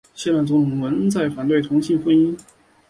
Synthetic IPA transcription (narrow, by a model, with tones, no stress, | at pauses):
ɕjɛ˥˧la˥˩nt͡sʊ˧˥ŋt̪ʰʊ˧˥ŋwə˧˥n˥t͡sa˥˩ɪfa˨˩nt̪we˥˩ɪt̪ʰʊ˧˥ŋɕi˥˧ŋfə˥ni˥n